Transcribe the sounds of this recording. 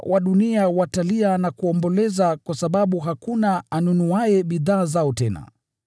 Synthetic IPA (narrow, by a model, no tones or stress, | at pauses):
wʔaɗuniawatalianakuɔmbɔlɛzakwasaɓaɓuɦakunaːnunuajɛɓiðaːzaɔtɛna̰